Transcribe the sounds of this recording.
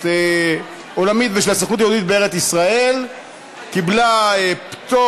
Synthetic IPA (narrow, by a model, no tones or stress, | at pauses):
e | olamit̪veʃelasaχnut̪ajod̪it̪̚beeʁet͡sisʁae̞l | kiblaept̪o